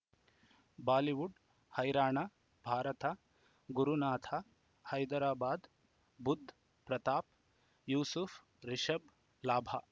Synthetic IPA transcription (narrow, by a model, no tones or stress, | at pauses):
baːliʋuɖ | hɐjɾaːɳa | bʱaːɾɐt̪a | ɡuɾunaːt̪ʰa | hɐjd̪ɐɾaːbaːd̪ | bud̪ʱː | pɾɐt̪aːp̚ | juːsufʰ | ɾiʃɐb | laːbʱa̰